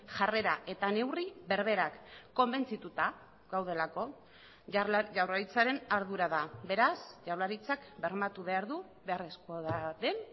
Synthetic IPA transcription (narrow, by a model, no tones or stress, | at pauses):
ʝare̞ɾaʔe̞t̪ane̞wriβe̞ɾβ̞e̞ɾakːo̞mbe̞nt͡sit̪ut̪a | ɡawð̞e̞lako̞ | ʝawraɾit͡saɾe̞naɾðuɾaðabe̞ɾasʝawraɾit͡sakbe̞ɾmat̪uβe̞aɾðu | βe̞aresko̞ðaðe̞n